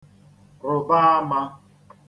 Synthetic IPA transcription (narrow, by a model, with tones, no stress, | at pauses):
ɾʊ˨ba˦a˦ma˦